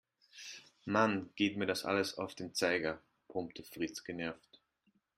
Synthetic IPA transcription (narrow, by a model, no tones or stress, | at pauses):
manɡ̥eːtmiːɐɾasʔa̰ləsa̰ʊfd̥eːmt͡saɪɡɐ | pʁʊmptʰəfʁ̥it͡sɡ̥ənɛɐft